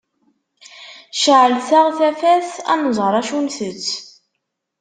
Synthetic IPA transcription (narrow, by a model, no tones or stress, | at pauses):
ʃəʕəlθæʁθæfæθæ̰nəzˤʁəɾˤɑʃunθət͡sː